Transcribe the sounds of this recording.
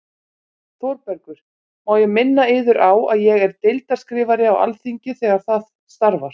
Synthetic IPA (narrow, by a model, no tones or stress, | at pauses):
θowɾpɛɾkʏɾ̥ | maːwjɛɣmɪnːaɪːðʏɾʔawaðjɛɣɛɾ̥t̪ejlt̪aɾskɾɪːvaɾɪawa̰lθiɲcɪθɛːɣaɾ̥θað | st̪aɾvaɾ̥